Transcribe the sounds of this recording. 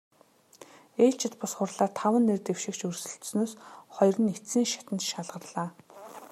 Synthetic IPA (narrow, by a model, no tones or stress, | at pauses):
eːɮt͡ɕʰɪ̆t̪pʊsχʊrɮaːrt̪ʰawə̆nːert̪ewʃɪ̆kt͡ɕɵrsɵ̆ɬt̪snoːsχɔjrə̆net̪siːŋʃḁt̪ə̆nt̪ʃaɮʁə̆rɮaː